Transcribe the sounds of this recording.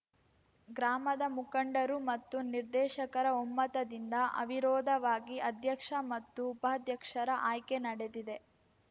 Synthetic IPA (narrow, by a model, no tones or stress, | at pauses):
ɡɾaːmɐd̪ɐmukɐɳɖɐɾumɐt̪ːuniɾd̪ɛːʃɐkɐɾɐomːɐt̪ɐd̪ind̪ɐʔɐ̰ʋiɾɔːd̪ʱɐʋaːɡiɐd̪ʱjɐkʂɐmɐt̪ːuːpɐɦɐd̪jɐkʂɐɾɐʔaːjkenɐɽe̞d̪id̪e̞